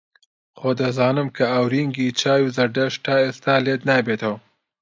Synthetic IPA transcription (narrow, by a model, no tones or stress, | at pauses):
χod̪əzɑːnəmkaːwɾiŋɡit͡ʃɑːjuzɐɖaʂʈaest̪aːled̪nabet̪aw